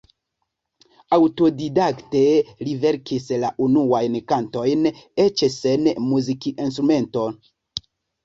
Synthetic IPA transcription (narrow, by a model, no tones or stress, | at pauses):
awto̞didaktelive̞ɾkʰislaʔunuajnkanto̞jnet͡ʃsenmuzikiʔinstɾume̞nto̞